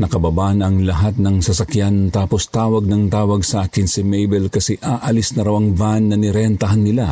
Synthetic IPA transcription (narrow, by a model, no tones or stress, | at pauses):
nɐkɐbɐbaːʔnɐŋlɐɦat̪̚nɐŋsɐsɐkjant̪aːpost̪aːwɐɡ̚nɐŋt̪aːwɐɡsɐʔaːkɪnsɪmɛjbɛlkɐsɛʔaːʔɐlɪsnɐɾɐwɐŋvanːɐnɪɾɛnt̪ɐɦanːɪla